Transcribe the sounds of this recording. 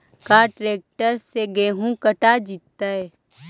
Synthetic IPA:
kaʈɾeːk̚ʈəɾseɡeːɦũkəʈad͡ʒit̪ːaɦɛː

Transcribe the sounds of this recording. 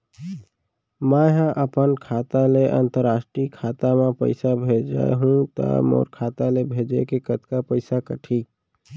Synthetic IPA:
maɦãʔəpənkʰat̪aleʔə̰nt̪əɾasʈɾikʰat̪amẽpə̰ɪsabʱed͡ʒa̰ḛɦũt̪ə̰mɔ̰ːɾkʰat̪alebʱed͡ʒekekət̪kapəɪsakəʈʰi

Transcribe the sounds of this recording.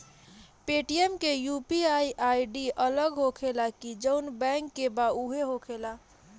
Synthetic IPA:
peʈiemkejupiajʔajɖiʔələɡɦokʰelakid͡ʒəʊnbɛ̃ŋkːebauɦeɦokʰela

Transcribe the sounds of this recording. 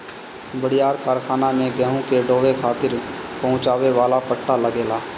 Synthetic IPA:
bəɽ̤ijaːɾkaːɾkʰaːnamẽɡɛːɦũkeɖoːʋekʰaːt̪ɪɾpɐɦʊ̃t͡ʃaːʋeʋaːlapəʈːaləɡeːlaː

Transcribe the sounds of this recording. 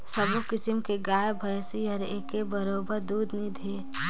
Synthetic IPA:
səbokɪsɪmkeɡaːjebʱəjsiəɾeːkebəɾoːbəɾd̪uːd̪nid̪ʱeː

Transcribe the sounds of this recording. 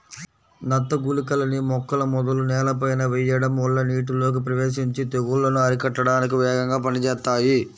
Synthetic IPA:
nɐt̪ːɐɡulikɐlɐnimɔkːɐlɐmɔd̪ɐlunɛːlɐp̬ɐjnɐʋɛjɐɽɐmɔɭːɐniːʈ̬ulo̞ːk̬ipɾɐʋeːʃiɲt͡ʃit̪eɡuɭːɐnuɐɾikɐʈːɐɽaːnik̬iʋɛːɡɐŋɡaːpɐnit͡ʃɛːt̪ːaːji

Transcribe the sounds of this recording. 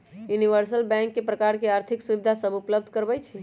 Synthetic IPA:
juniʋəɾsəlbɛ̃ŋkːepɾəkaɾkeaɾt̪ʰiksubid̪ʱasəbupləb̚d̪ʱkəɾbɛt͡ʃʰɛ

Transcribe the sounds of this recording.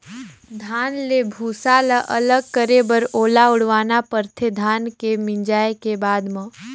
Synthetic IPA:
d̪ʱaːnlebʱuːsaːlaʔɐləɡ̚kəɾebəɾoːlaʊɽʋaːnapəɾt̪ʰed̪ʱaːnkemɪ̃nd͡ʒaːekebaːd̪mə̃

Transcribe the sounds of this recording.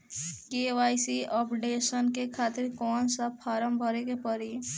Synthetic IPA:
keʋajsiʔɔpɖesənkekʰaːt̪ɪɾkɔːnsapʰaːɾəmbʱɔɾekepəɾi

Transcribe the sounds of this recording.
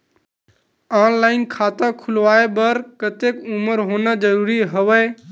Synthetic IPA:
aːnlaːɪnkʰaːt̪akʰʊlʋaːebəɾkət̪ekuməɾɦoːnad͡ʒəɾuːɾiɦəʋəː

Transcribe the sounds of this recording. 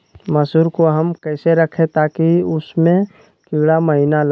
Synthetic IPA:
məsuːɾkoɦəmkɛːseɾɐkʰẽt̪aːkiʊsmẽ | kɪɡɽaməɦinal

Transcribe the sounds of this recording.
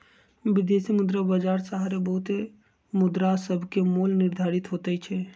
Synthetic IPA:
bid̪esimud̪ɾabəd͡ʒaɾsaɦaɾebəɦut̪e | mud̪ɾasəbʱkemolniɾd̪ʱaɾit̪ɦot̪ɛt͡ʃʰɛ

